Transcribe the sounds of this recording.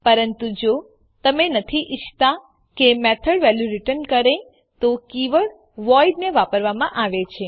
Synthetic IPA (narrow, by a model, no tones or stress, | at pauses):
pəɾənt̪ud͡ʒo | t̪əmenət̪ʰiʔɪt͡ʃʰt̪a | kemɛt̪ʰəɽʋɛluɾɪʈənkəɾe | t̪okiʋəɭ | ʋɔiɖneʋapəɾʋamãʔaʋet͡ʃʰe